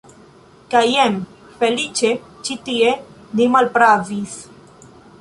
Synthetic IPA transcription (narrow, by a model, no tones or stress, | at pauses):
kajem | felit͡ʃe | t͡ʃit̪ie | nimalpɾavis